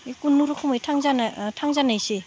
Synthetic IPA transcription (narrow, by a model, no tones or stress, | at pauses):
kunːuɾokʰumɯjtʰaŋzantʰaŋzanajse